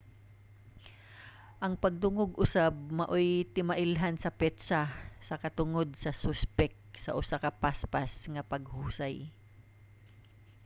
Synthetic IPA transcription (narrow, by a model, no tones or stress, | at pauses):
ʔɐŋpɐɡ̚d̪ʊŋoɡʔʊsab̚mɐʔojt̪ɪmaʔɪlɦansɐpɛt̪sasɐkɐt̪ʊŋod̪̚sɐsʊspɛk̚t̪̚sɐʔʊsakɐpaspasŋɐpɐɡhuːsaj